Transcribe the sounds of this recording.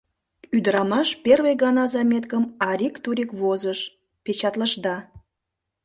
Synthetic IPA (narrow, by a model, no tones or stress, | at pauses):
yd̪əɾɑmɑʃperβejɣɑnɑzɑmʲet̪kəmɑɾʲikt̪uɾʲikβozəʃ | pet͡ɕɑt̪ləʃd̪ɑ